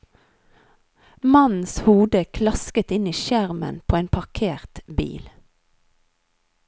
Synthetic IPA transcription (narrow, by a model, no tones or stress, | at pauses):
mɑnn̩shuːd̪əkʰlɑskət̪ɪniːʃæʁmə̰npʰoːeːnpʰɑʁkʰeːʁt̪bḭːl